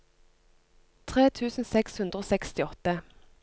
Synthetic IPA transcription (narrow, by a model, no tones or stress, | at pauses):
t̪ʰʁeːt̪ʰʉːsn̩sɛkshʉnd̪ʁəoːsɛkst̪ɪɔt̪ə